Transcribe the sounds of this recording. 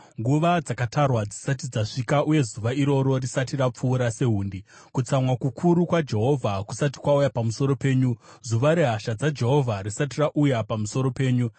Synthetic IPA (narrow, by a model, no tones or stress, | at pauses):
ŋɡuʋad͡zakatarwad͡zisat̬id͡zaʂikaʔuje̞zuʋaiɾo̞ɾo̞risatirap͡fuːɾase̞ɦuːndi | kut͡samwakukʰuɾukwad͡ʒe̞ɦo̞vʱakusati̥kwaujapamuso̞ɾo̞pe̞ːɲuzuʋaɾe̞ɦaʃad͡zad͡ʒe̞ɦo̞vʱarisatiraʔujapamuso̞ɾo̞pe̞ːɲu